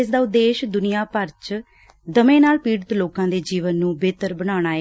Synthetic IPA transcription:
ɪsd̪aːʊd̪ːeːʃd̪ʊnɪjaːpəɾt͡ʃ | d̪əmẽːnaːlpiːɽət̪loːkãːd̪eːd͡ʒiːʋənːũːbeːt̪əɾbəɽ̃aːɽ̃aːe

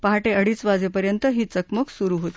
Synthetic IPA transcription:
paɦaʈeʔəɽiːt͡sʋad͡zepəɾjənt̪əɦiːt͡səkməksuɾuːɦot̪i̥

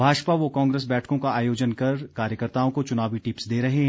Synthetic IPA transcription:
bʱaːʃpaʋokãːŋɡɾeːs̬bɛːʈʰkõkaaːjoːd͡ʒənkɐɾkaːɾjəkəɾt̪aːõkot͡ʃʊnaːʋiʈɪpsd̪eːɾɐɦeɦɛ̃

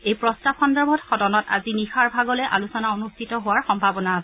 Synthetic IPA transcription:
ejpɹɔstabxɔndɔɹbʱɔtxɔdɔnɔta̰zinixaɹbʱaɡɔlɛʔalusɔnaonustʰitɔɦʊwaɹxɔmbʱabɔnaːsɛ

